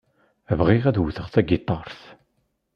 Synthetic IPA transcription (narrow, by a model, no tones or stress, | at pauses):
vʁiʁæðwθəʁθæɡɪt̪ˤːɑɾˤθ